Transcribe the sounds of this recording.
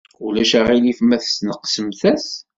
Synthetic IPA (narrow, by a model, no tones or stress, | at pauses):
ulæʃæʁilifmæθə̥snəqsəmθæs